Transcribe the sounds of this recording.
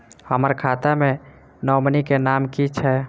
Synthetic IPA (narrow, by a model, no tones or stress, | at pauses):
həməɾkʰat̪amẽ | nɔwmənikenamkit͡ʃʰɛ